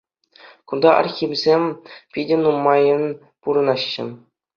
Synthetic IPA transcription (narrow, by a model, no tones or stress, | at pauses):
kund̪ɑʔɑ̰rxʲimʲzʲemʲpʲidʲɘ̆numːɑjɤ̆n | puɾɤ̆nɑɕːɘ̰̆m